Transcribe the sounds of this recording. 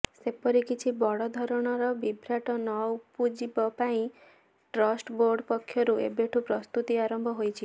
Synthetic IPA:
sepɔɾikit͡ʃʰibɔɽɔd̪ʱɔɾɔɽ̃ɔɾɔbibʱɾaʈɔnɔwpud͡ʒibɔpaĩ | ʈɾɔsʈboɾɖpɔkʰːjɔɾuḛbeʈʰupɾɔst̪ut̪iaɾɔmbʱɔɦojt͡ʃʰi

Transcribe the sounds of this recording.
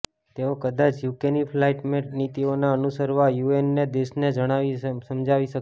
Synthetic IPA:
t̪eokəd̪at͡ʃʰjukenifʰlaiʈmeʈnit̪ionaənusəɾʋajuenːed̪eʃned͡ʒəɽ̃aʋisəmd͡ʒaʋiʃək

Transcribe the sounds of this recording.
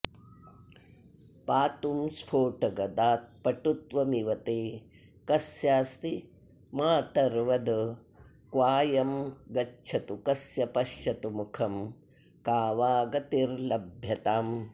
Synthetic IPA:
paːt̪umspʰoːʈɐɡɐd̪aːt̪̚pɐʈut̪ʋɐmiʋɐt̪eː | kɐsjaːst̪i | maːt̪ɐɾʋɐd̪ɐ | kʋaːjɐmɡɐt͡ʃʰɐt̪ukɐsjɐpɐʃjɐt̪umukʰɐm | kaːʋaːɡɐt̪iɾlɐbʱjɐt̪aːm

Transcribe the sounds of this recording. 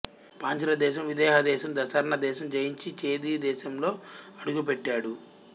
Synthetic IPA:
paːɲt͡ʃɐɾɐd̪ɛːʃ̬ɐmʋid̪ɛːɦɐd̪ɛːʃɐmd̪ɐsɐɾɐnɐd̪ɛːʃɐmd͡ʒɐjiɲt͡ʃit͡ʃe̞ːd̪id̪ɛːʃɐmlo̞ːɐɽuɡup̬eʈːaːɽu

